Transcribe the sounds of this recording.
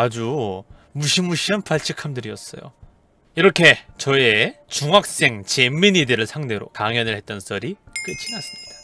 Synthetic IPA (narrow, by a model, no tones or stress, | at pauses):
ad͡ʑumuɕʰimuɕʰianpaɭt͡ɕʰikʰamdɯɾiʌs͈ʌ̰jo̰ | iɾʌkʰe̞t͡ɕʌet͡ɕuŋɦak̚s͈e̞ŋt͡ɕe̞minidɯɾɯɭsʰaŋde̞ɾo̰kaŋjʌnɯɭhe̞t̚t͈ʌnsʰʌɾik͈ɯt͡ɕʰinas͈ɯmɲid̥a